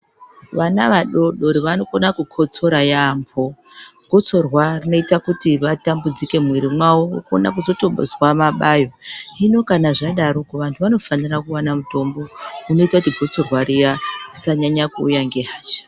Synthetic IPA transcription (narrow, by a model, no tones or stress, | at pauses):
ʋanaʋaɗo̞ɗo̞ɾiʋano̞konakukʰo̞t͡so̞ɾajaːmpʰo̞ | ɡ̥ʱo̞t͡so̞rwarino̞itakutiʋatambud͡zike̞mwiɾimwawouko̰na̰kuzo̞to̞ɓo̰zwamaɓajo̞ino̞kanaʐaɗaɾokoʋantʰuʋano̞fanirakuwanamuto̞mbo̞uno̞itakutiɡʱo̞t͡so̞rɦwaɾijarisaɲaɲakuːjaŋɡe̞ɦaːt͡ʃḁ